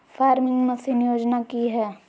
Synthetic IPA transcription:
faːɾmɪ̃ŋɡmɐ̃siːnjoːd͡ʒnakiɦɛː

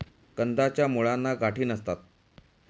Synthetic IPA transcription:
kənd̪ʱat͡ɕjamuɭanːaɡʱaʈiːnəst̪at̪̚

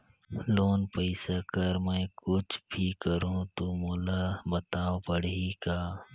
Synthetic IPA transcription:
loːnpəɪsakəɾmɛ̃ːkʊt͡ʃʰbʱikəɾũt̪omoːlabɐt̪aːopəɽ̤ikaː

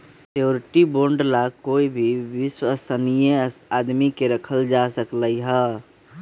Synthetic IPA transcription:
ʈijoːɾɪʈiboːɾɳɖlakoːibʱiʋɪswəsənijeaːd̪mikeɾəkʰəld͡ʒasəkləiɦɛ

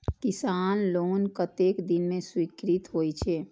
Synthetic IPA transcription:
kɪsaːnloːnkət̪eːkd̪ɪnmẽswikɾit̪ɦoːit͡ʃʰeː

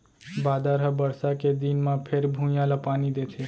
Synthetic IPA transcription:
baːd̪aɾɦəbəɾsaked̪inmãpʰeɾbʱũjãlapanid̪et̪ʰe

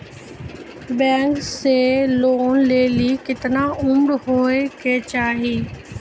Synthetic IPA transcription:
bɛ̃ːŋkseloːnleːlikɪt̪ɪnaʊmɽɦoːekeːt͡ɕaːɦiː

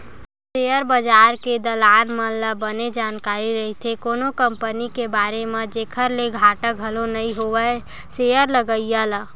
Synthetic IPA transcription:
sejəɾbəd͡ʒaːɾked̪əlaːnmənləbəned͡ʒaːnkaːɾiɾəɦit̪ʰekoːnokəmpənikebaːɾemẽd͡ʒeːkʰəɾleɡʱaːʈək̚əlonəĩɦowə | sejəɾləɡəijala

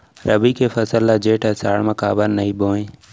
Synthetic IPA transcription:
ɾʔəbikʰefɐsəlːad͡ʒeːʈɛsa̰ːɽmɐ̃ka̰ːbəlnɐĩboːẽː

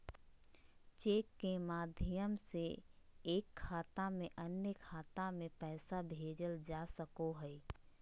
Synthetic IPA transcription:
t͡ʃeːkːemaːd̪ʱjəmseeːkʰːaːt̪amẽʔənjəkʰaːt̪amẽpɛːsabʱeːd͡ʒəld͡ʒaːsəkoɦɛ

